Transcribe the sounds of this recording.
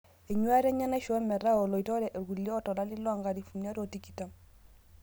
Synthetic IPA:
ɛ˨ɲwa˦ɾɛ˦ɲa˦na˦ʃɔ˨˦ɛ˦mɛ˨ɾa˦ɔ˨lɔ˨i˨tɔ˦ɾɛ˨ʔe˨ɡu˨ljɔ˦ɔ˦tɔ˨la˦lɪ˦lɔ˦a˨ŋɡa˨ɾi˨fu˨nja˦ɾo˨ti˦ki˨ta˦m

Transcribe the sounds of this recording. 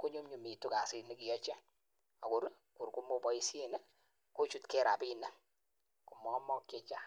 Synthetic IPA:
ko˦ɲu˦mɲu˨mi˨tu˦ka˨sɪ˦ni˦ki˨jɔ˦t͡ʃe˦ | a˨ku˨ɾ | ku˨ɾku˦mo˦pɔ˨˦i˦sje˦˨ne˦ | ko˦t͡ʃu˦tke˦˨ɾa̰˨pi˦nɛ˦ | ku˨mɔ˨˦mɔ˦kːje˦t͡ʃa˦

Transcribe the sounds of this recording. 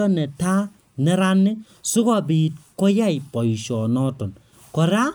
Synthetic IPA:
ɔ˦nɛ˨ta˦ | nɛ˦ɾa˦nːe˦ | su˦kɔ˨bi˨t̚ko˦ja˦ipɔ˨ʃɔ˨nɔ˦tɔ˨n | kɔ˨ɾa˦

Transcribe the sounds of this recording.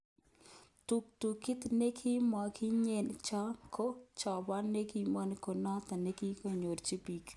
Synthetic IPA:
tu˨k̚tu˨kɪ˦t̪ne˦kʰi˦ma˨kʰi˦ɲe˨nt͡ʃa˦kʰo˦t͡ʃɔ˨ba˦ne˦ki˨ma˦nko˨nɔ˦t̪a˨ne˦ki˦ko˨ɲo˨ɾt͡ʃi˦pi˨k

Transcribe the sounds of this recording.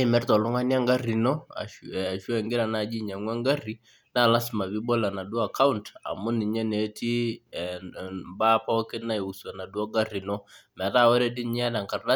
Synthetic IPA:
i˨mɛ˦ɾtɔ˨lʊ˦ŋa˦nja˦ŋɡa˦ri˨nɔ˦a̰˨a˨ʃu˦ɛ˨ŋɡɪ˦ɾa˨na˨d͡ʒi˦ɲa˨ŋwɛ˦ŋɡa˦ri˦ | na˦˨la˦sma˨βi˦bɔ˦la˨na˨du˦a˦˨ka˦u˦nta̰˨mʊ˦nɪ˨ɲɛ˦ne˨˦tʰi˦ | ba˦pa˦ɔ˦kɪ˦na˦˨i˨u˨su˨a˨na˨du˦a˦ɡa˦ri˨nɔ˦mɛ˨ta˦˨wɔ˦ɾɛ˦dɪ˦nɲ˦a˦da˨ŋka˨rda˦

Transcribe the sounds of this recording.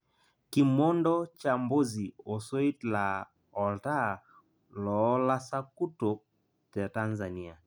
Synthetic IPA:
ki˨mɔ˦ndɔ˦t͡ʃa˨mbo˦zi˨o˨sɔ˦i˦tla˨ | ɔ˨lta˦ | lɔ˨˦la˦sa˦ku˦to˨ | tɛ˨ta˦nza˨ni˦a˨

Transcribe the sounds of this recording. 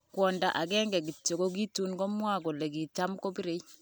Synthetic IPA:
kwɔ˨nda˨ʔa˨ɡɛ˦ŋɡɛ˨ɡi˨tːo˨ɡo˦ɡi˦tu˦nɡo˦mwa˦˨ɡɔ˨le˨ɡi˨t͡ʃa˦mko˦bi˦ɾe˨˦i˦

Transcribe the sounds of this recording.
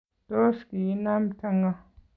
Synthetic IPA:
to˦ʃki˨˦na˦m˦tʰa˦ŋa˦

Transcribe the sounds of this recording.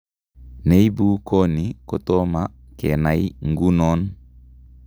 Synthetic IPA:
ne˦i˦bu˦ko˦ni˨ko˨to˦ma˦kɛ̰˨na˨jŋɡu˦nɔ˦n

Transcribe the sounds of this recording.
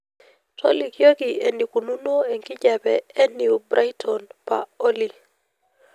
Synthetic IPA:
tʰo̰˦li˨kjo˦kie˨ni˨ku˨nu˦no˦e˨ŋki˦ɟa˨bɛɛ˦niu˨bɾʔa˦jtʰɔnpa̰˨o˦li˨

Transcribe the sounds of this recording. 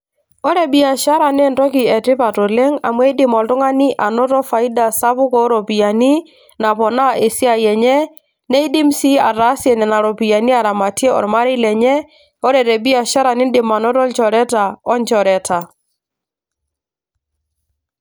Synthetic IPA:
ɔ˦ɾɛ˨bi˦a˨ʃa˦ɾa˨n˦ɛ˦˨ntɔ˦ki˨ɛ˨tɪ˦pa˨tɔ˨lɛ˦ŋa̰˨mwɛ˦i˦dɪ˨˦mɔ˨ltʊ˦ŋa˦ni˦ʔa˨nɔ˦tɔ˦fa˨i˦da˨sa˦pʊ˦kɔ˦ɾɔ˨pi˨a˨ni˦ | na˨pɔ˨na˦e˨si˦a˨jɛ˨ɲɛ˦ | nɛ˦i˦di˦msi˦a˨ɾa˦sjɛ˨nɛ˨na˨ɾɔ˨pi˨ja˨ni˦a˨ɾa˨ma˨tjɛ˦ɔ̰˨ɾma˦ɾi˦lɛ˨ɲɛ˦ | ɔ˦ɾɛ˨ɾɛ˨bi˦a˨ʃa˦ɾa˨nɪ˦ndɪ˨ma˨nɔ˦ɾɔ˦nt͡ʃɔ˨ɾɛ˦ta˨ɔ˦nt͡ʃɔ˨ɾɛ˨ta˨

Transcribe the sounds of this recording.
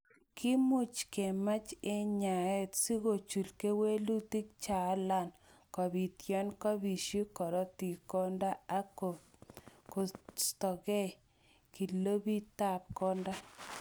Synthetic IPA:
kʰi˦mʊ˦t͡ʃke˨ma˦t͡ʃe˦ɲa˨ɛ˦tsi˦ɣo˨t͡ʃu˨lke˦we˦lu˦ti˦k̚t͡ʃa˨˦la˦˨nkɔ˨bi˨tjɔ˦nkɔ˦bi˨ʃi˦kɔ˨ɾɔ˦ti˨kɔ˦nda˦a˦ko˨ | ko˨stɔ˨ɣɛ˦ | ki˨lo˦bi˦ta˨p̚kɔ˦nda˦

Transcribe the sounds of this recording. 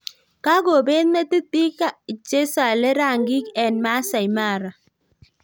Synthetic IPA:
ka˦ɡo˨be˦nna˦t̪i˦t̪i˦ka˦i˨t͡ʃe˦sa˨lɛ˦ɾa˦˨ŋɡɪ˦kɛ˨nma˦sa˨jma˦˨ɾa˨

